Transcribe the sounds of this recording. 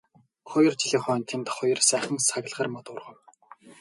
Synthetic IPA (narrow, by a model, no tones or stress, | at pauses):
χʊjɞ̆rt͡ɕiɮiːŋχœːnt̪ʰemt̪χɔjɞ̆rsæːχə̆ŋsaɣ̆ʲɮʁaːrmɔt̪ʊrʁɞ̆w